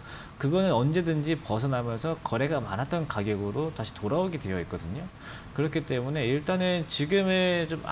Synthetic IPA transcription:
kɯɡʌnɯnʌnd͡ʑe̞dɯnd͡ʑipʌs̬ʰʌnamjʌnsʰʌkʌɾe̞ɡama̰nɦat͈̚ʌnkaɡjʌɡɯɾotaɕʰi̥toɾaoɡidwe̞jʌik̚k͈ʌdɯɲo | kɯɾʌkʰit͈e̞mune̞iɭt͈anɯt͡ɕiɡɯme̞t͡ɕom̰

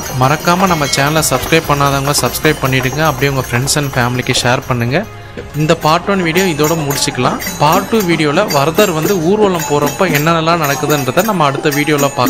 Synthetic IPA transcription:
mɐɾɐkːaːmɐnɐmːɐt͡ʃaːnɐlɐsɐbskɾɐɪb̚pɐɳːaːðaːŋɡɐsɐbskɾɐɪb̚pːɐɳːɪʈːɯŋɡɐɐpːɐɽɪjɐʊŋɡɐfɾɛɳɖsɐnfaːmɪlɪkːɐʂeːɾpɐɳːɯŋɡɐ | ɪnd̪ɐpaːɾʈːɐːnʋiːɽɪjõɪðoːɽɐmʊɽɪt͡ʃːɯkːɐlãːpaːɾʈːuʋiːɽɪjoːlɐʋɐɾɐðɐɾʋɐnd̪ɯuːɾɯʋɐːlɐmpoːɾɐpːoːɛnːɐnɐlːãːnɐɽɐkːɯɐðɯɛndɾɐt̪ːaːnɐmːɐːɐɽɯt̪ːɐʋiːɽɪjoːlãːpaːkː

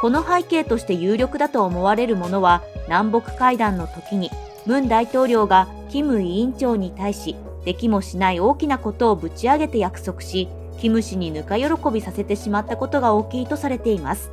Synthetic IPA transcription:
ko̞no̞ɦaike̞ːt̪o̞ɕi̥t̪e̞jɯːɾʲjo̞kɯ̟d̪at̪o̞ːmo̞βaɾe̞ɾɯ̟mo̞no̞βanãmbo̞kɯ̟̥kaid̪ãnːo̞t̪o̞kʲiɲ̟i | mɯ̟̃nd̪ait̪o̞ːɾʲo̞ːɡa | kʲimɯ̟ĩːɲt͡ɕo̞ːɲ̟it̪aiɕi | d̪̥e̞kʲimo̞ɕinaio̞ːkʲinako̞t̪o̞ːbɯ̟t͡ɕiaɡe̞t̪e̞jakɯ̟̥so̞kɯ̟̥ɕi | kʲimɯ̟ɕiɲ̟inɯ̟kajo̞ɾo̞ko̞bʲisase̞t̪e̞ɕimat̪ːako̞t̪o̞ɡao̞ːkʲiːt̪o̞saɾe̞t̪e̞imasɨ̥

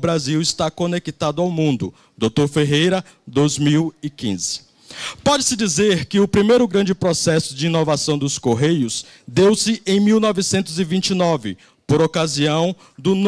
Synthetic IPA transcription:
bɾaziwɪst̪akonekit̪ad̪ʊawmũnd̪ʊ | d̪owt̪oɾfeɦejɾɐ | d̪ojzmiwɪkḭ̃zɪ | pɔd͡ʒɪsɪd͡ʒizeɾkɪʊpɾimejɾʊɡɾɐ̃d͡ʒɪpɾosɛsʊd͡ʒɪinovasɐ̃w̃d̪ʊskoɦejʊs | d̪ewsɪʔẽj̃miwnɔvɪsẽnt̪ʊzɪvĩnt͡ʃɪnɔvɪ | poɾokaziɐ̃w̃ | d̪ʊn

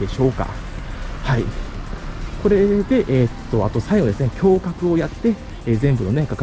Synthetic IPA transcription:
e̞ɕo̞ːka̰ | hai | ko̞ɾe̞d̪e̞ʔeːt̪ːo̞at̪o̞saiɡo̞d̪esɨnekʲo̞ːkakɯ̟o̞jat̪ːe̞ | eːzẽ̞mbɯ̟no̞nekaka

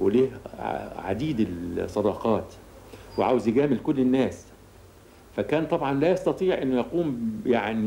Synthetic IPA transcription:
weliːhʕa̰d̪iːd̪ɪlsˤːɑd̪ɑːqɑːt̪ | wɪʕa̰wzjɪɡæːmɪlkʊlːɪnːæːs | fækæːnt̪ˤɑbʕɑnlæːjɑsˤt̪ɑt̪ˤiːʕʔɪnːʊjɑquːmjaʕni

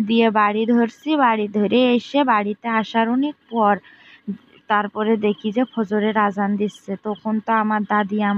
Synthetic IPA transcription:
d̪ijebaɽid̪ʱoɾsibaɽid̪ʱoɾeeʃebaɽit̪eaʃaɾonek̚pɔɾ | t̪aɾpɔɾed̪ekʰid͡ʑepʰod͡ʑoɾeɾad͡ʑand̪issʰet̪okont̪oamaɾd̪ad̪iam

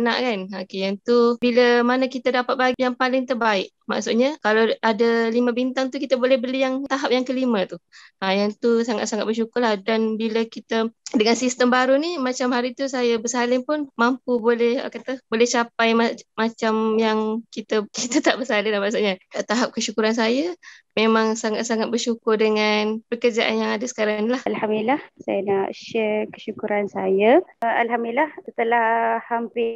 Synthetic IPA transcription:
na̰ʔkanokejaŋt̪ubiləmanəkit̪adapat̪̚bajaŋpalɪŋt̪ərbaɪʔ | ma̰ʔsuʔɲakalawadalimə̃bint̪aŋt̪ukit̪abolɛhbəlijaŋt̪aɦap̚jaŋkəlimə̃t̪uajaŋt̪usaŋa̰t̪̚saŋat̪̚bərʃukʊrlahdanbiləkit̪ədəŋansist̪əmbaɾunimat͡ʃamhaɾit̪us̬ajabəsalɪŋpʊnmampubolɛhə̰kat̪əbolɛht͡ʃapajmamat͡ʃamjaŋkit̪əkit̪ət̪aʔbəsalɪndamaʔsoʔɲataʔt̪aɦap̚kəʃukuɾans̬ajəmemãŋsaŋat̪̚saŋat̪̚bərʃukʊrdəŋanpəkərd͡ʒaʔanjaŋadəsə̥kaɾaŋlahalhamilahsa̰janaʔʃɛkə̥ʃukuɾansajaalɦamilahət̪əlahhampɪ

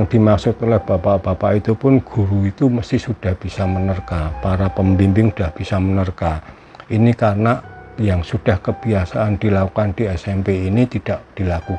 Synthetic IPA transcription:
aŋd̥i̤maksʊt̪ɔlɛhb̥apab̥apaʔit̪upʊnɡ̥uɾuit̪uməst̪ɪhsud̥a̤hb̥isamənərkapaɾapəmbimpɪŋud̥ahb̥isamənərka | ʔinikarnajaŋsud̥ahkəb̥iasaʔːnd̥ilakukand̥iɛsɛmpeinit̪id̥aʔd̥ilaku

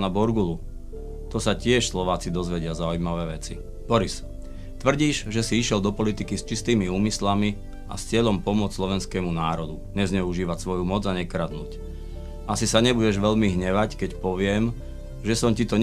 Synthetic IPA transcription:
nabɔɾɡulu | t̪ɔsacɪɛʃslɔʋaːt͡sid̪ɔzʋɛɟɪazaujmaʋɛːʋɛt͡si | b̥ɔɾis | t̪ʋr̩ɟiːʒʒɛsiiʃɪɛld̪ɔpɔlit̪ikist͡ʃist̪iːmiuːmislami | ʔa̰st͡sɪɛʎɔmpɔmʊɔt͡sslɔʋɛnskɛːmunaːɾɔd̪u | ɲɛzɲɛuʒiːʋacsʋɔjumɔd͡zaɲɛkɾad̪nuːc | ʔasisaɲɛbuɟɛʒʋɛʎmiɦɲɛʋackɛcpɔʋɪɛm | ʒɛsɔmcit̪ɔɲ

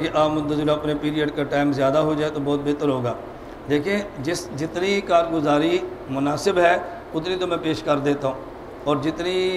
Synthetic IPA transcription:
kɪʔaːmʊd̪əzɪlaəpnepiːɾiəɖkaʈaːɪmzjaːd̪aːɦoːd͡ʒaːet̪oːbɔːt̪̚beːt̪əɾɦoːɡaː | d̪eːkʰẽːd͡ʒɪsd͡ʒɪt̪niːkaːɾɡʊzaːɾimʊnaːsɪbɦɛː | kʊt̪nĩːt̪̬omɛ̃ːpeːʃkəɾd̪eːt̪aːɦũː | ɔːɾd͡ʒɪt̪niː

